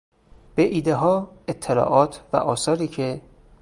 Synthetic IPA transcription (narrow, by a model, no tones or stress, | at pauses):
b̥eʔiːd̪e̞ɦɒːet̪ʰːelɒ̰ːʔɒːt̪ʰvæ̰ʔɒːsɒːɾiːcʰe